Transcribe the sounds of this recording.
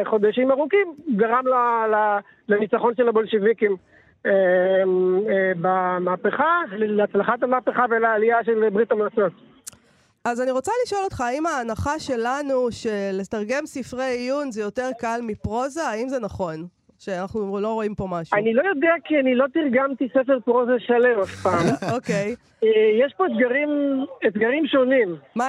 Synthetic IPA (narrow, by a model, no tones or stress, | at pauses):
χo̞d̪aʃimaʁukimɡaʁamlala | lanit͡saχo̞nʃelabo̞lʃevikim | e | bamaːpeχaleat͡slaχat̪almaːpeχavelaːliaʃelbʁit̪amlat͡so̞t̪ | ʔazaniʁo̞t͡saliʃo̞lo̞t̪χaːimaːnaχaʃe̞lanuʃe̞le̞t̪aʁɡe̞msifʁejjunzejo̞te̞ʁkalmipʁo̞zaːimzenaχo̞n | ʃeanaχnulo̞ʁo̞impo̞maʃuanilo̞jo̞d̪eakianilo̞t̪iʁɡamt̪isefeʁpʁo̞zaʃalemafpaːmokej | ejɛʃpo̞et̪ɡaʁimet̪ɡaʁimʃo̞nimma